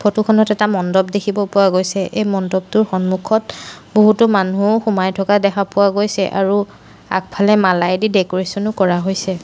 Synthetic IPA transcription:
pʰotukʰɔnɔtɛtamɔndɔb̚dekʰibɔpʊwaɡojsɛʔejmɔndɔb̚tʊɹxɔnmukʰɔtboɦutɔmanuoxumajtʰɔkadɛxʰapʊwaɡojsɛʔa̰ɹu | a̰k̚pʰalɛmalajdidɛkɔɹesɔnʊkɔɹaɦojsɛ

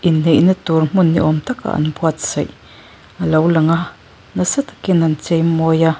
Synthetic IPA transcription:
ʔineʔnət̪uɾm̥unːiʔɔmt̪aka̰ʔa̰nbwat̪̚z̥aj | ʔalawlaŋaʔ | nasat̪ḁkinant͡sejmoja

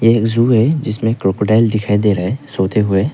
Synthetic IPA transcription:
jeːkzuːɦɛd͡ʒɪsmẽkɾokoɖaːɪld̪ɪkʰaːid̪eːɾaɦesoːt̪eɦʊe

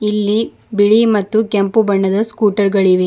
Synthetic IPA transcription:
ilːi | biɭimɐt̪ːukempubɐɳːɐd̪ɐskuːʈɐɾɡɐɭiʋe

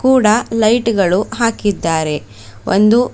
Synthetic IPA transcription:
kuːɽɐlɐjʈɡɐɭuɦaːkid̪ːaːɾe̞ | ʔo̰nd̪u

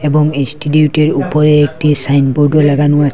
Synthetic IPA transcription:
ɛbɔŋinstitiutɛɹupɔɹɛːk̚tisajnbuɹdɔlaɡanʊwa

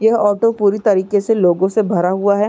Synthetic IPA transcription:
jɐɦɔːʈopuːɾit̪ɐɾiːkeseloːɡõsebʱɐɾaɦuaɦɛː

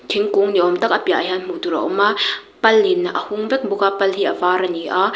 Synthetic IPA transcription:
kʰiŋkuŋniʔɔmt̪ɐk̚ʔɐpiaʔajɐnm̥utuɾɐ̰ʔɔma | pɐlːinaʔɐhuŋvɛk̚bʊkapɐlhiʔɐvaɾɐniʔa

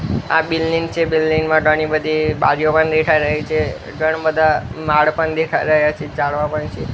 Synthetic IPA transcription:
a̰bilːint͡ʃʰebilːinmãɖʱəɽibəd̪ʱibaɾijopəɳd̪ekʰajɾəɦit͡ʃʰe | ɖəɳ̃bəd̪ʱamaɭpəɳd̪ekʰajɾəɦjat͡ʃʰed͡ʒaɭʋãpəɳt͡ʃʰe

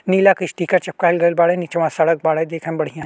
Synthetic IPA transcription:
niːlakɪʃʈiːkat͡ʃɐp̚kaːɪlɡɐlbaːɽẽnit͡ʃɐʋãsɐɽək̚baːɽed̪eːkʰẽmbɐɽ̤ijã

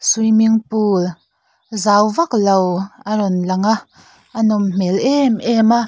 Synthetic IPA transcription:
sujmiŋpuːl | zaːwvak̚lowʔaɾɔnlɐŋaʔ | ʔɐnɔmm̥ɛlʔɛmʔɛmaʔ

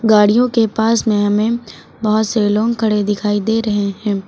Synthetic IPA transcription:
ɡaːɽijõkepaːsmẽɦɐmẽ | bɐɦʊt̪selɔ̃ːŋɡkʰɐɽed̪ɪkʰaːid̪eːɾɐɦeɦɛ̃ː

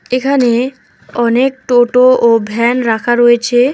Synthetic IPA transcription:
ekʰane | ɔnek̚ʈoʈoʔobʱɛnɾakʰaɾɔjet͡ɕʰe

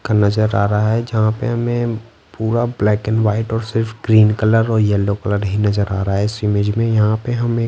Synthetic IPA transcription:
kanɐzəɾaːɾaaɦɛd͡ʒɐɦãpḛɦɐmẽ | puːɾablɛːkənʋaːɪʈɔːɾsɪɾfʰɡɾiːnkələɾɔːɾjɛlokələɾɦinɐzəɾaːɾaaɦɛsɾɪmeːd͡ʒmẽjɐɦãpeɦɐmeː

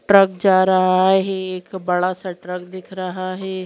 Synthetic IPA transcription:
ʈɾək̚d͡ʒaːɾɐɦaɦɛeːkbɐɽasaʈɾəkd̪ɪkʰɾəɦaɦɛː

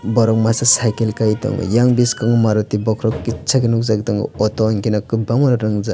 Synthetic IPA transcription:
bɔɾɔk̚masasajkelkajtɔ̰ŋɡɔ̰jaŋbiskaŋɯmaɾɔtibɔkʰɾɔkit͡ʃʰaɡinuk̚zaɡitɔŋɡɯ̰ɔtɔnkinakɯbamɔɾɔɾɯŋza

